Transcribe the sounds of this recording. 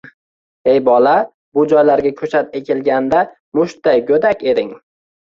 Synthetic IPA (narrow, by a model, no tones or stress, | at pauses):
e̞jbɒla | bʊd͡ʒɒjlaɾɡʲakʲʰɵt͡ʃʰat̪ekʲʰelɡʲand̪a | mʊʃt̪̚ajɡɵd̪akʲe̞d̪ɪŋ